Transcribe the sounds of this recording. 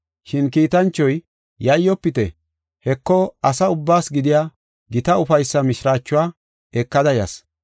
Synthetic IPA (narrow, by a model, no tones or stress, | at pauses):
ʃɪnkiːt̪ɐnt͡ʃːɔj | jɐjːɔpːɪt̪ɛ | hɛkːɔɐsɐʊbːaːsɡɪd̪ɪjaː | ɡɪt̪ɐʊfɐjsːɐmɪʃɪɾaːt͡ʃːʊaː | ɛkːɐd̪ɐjɐs